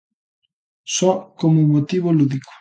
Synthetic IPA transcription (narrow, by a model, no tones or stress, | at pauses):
sɔkomʊmot̪iβoluðikʊ̥